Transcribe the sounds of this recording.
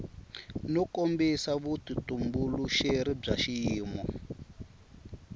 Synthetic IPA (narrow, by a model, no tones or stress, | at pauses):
nɔkombisaβutitumbuluʃeɾib͡ʐaʃiːmɔ